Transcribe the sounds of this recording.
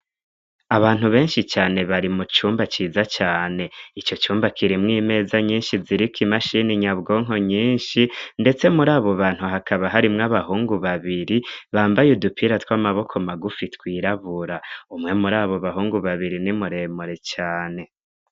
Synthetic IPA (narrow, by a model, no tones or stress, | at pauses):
aβaːn̥huβe̞ːnʃit͡ʃaːne̞βaɾimut͡ʃuːmbat͡ʃiːzat͡ʃaːne̞it͡ʃo̞t͡ʃuːmbakʰiɾimŋiːme̞ːzaɲiːnʃiziɾikimaʃiniɲaβɡo̞ːŋo̞ɲiːnʃinde̞t͡se̞muɾaːβo̞βaːn̥huɦakʰaβaɦaɾimŋaβahuːŋɡuβaβiɾiβaːmbajudupʰiɾatwamaβo̞kʰomaɡufitwiːɾaβuɾaumŋe̞muɾaːβo̞βaɦuːŋɡuβaβiɾinimuɾe̞ːmuɾe̞t͡ʃaːne̞